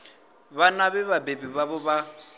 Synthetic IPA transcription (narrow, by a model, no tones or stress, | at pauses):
βanaβɛβabebiβaβɔβa